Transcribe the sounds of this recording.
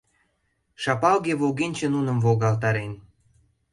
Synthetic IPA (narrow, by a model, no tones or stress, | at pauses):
ʃɑpɑlɣeβoɣenʲt͡ɕĕnunə̆mvoɣɑlt̪ɑɾen